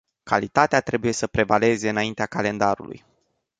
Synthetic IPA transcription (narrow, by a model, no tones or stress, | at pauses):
kʰa̰lit̪at̪eat̪ɾe̞buje̞səpɾe̞vale̞ze̞ɨnaint̪eakale̞nd̪aɾṵlṵj